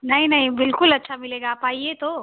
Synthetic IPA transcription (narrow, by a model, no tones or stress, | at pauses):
nɐɦĩnɐɦĩbɪlkʊlɐtːʃʰamɪleːɡaːpaːiet̪o